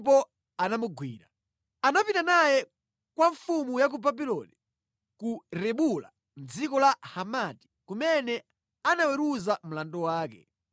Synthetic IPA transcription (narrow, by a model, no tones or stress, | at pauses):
pɔ | anamuɡwḭːɾa | anapitanajɛ | kwaɱfumujak̬ubabilɔ̰ni | kuɾɛɓula | n̩d͡zikɔlahamati̥kumɛnɛ | anawɛɾuzam̩landɔwaːkɛ̰